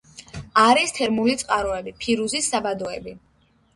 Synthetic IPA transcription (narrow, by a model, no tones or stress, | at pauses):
aɾist̪ʰɛɾmulit̪sʼqʼaɾɔɛbipʰiɾuzisːabad̪ɔɛbi